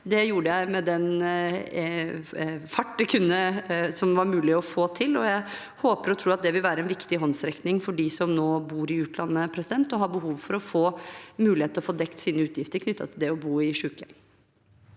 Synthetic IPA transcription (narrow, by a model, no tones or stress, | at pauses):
d̪ɛjuːɖəjæɪmɛd̪ɛn | fɑʈːəkʰʉnːəsɔmʋɑɾmʉːlɪɔfoːt̪ʰɪlɔjæɪ | hoːpəɾɔt̪ʰɾuːɑt̪̚d̪ɛʋɪlʋæːɾəɛnʋɪkt̪ɪɦɔnsɾɛknɪŋfɔɖiːsɔmnoːbuːɾɪʉːt̪ʰlɑnːəpʰɾɛsɪd̪ɛnt̪ɔɦɑɾbəɦuːʋfɔɾɔfoːmʉːlɪheːt̪əɔfoːd̪ɛkt̪siːnəʉːt̪ʰjɪft̪əɾkʰnʏt̪ːɑ̰t̪ʰɪld̪ɛɔbuːɪʂʉːkən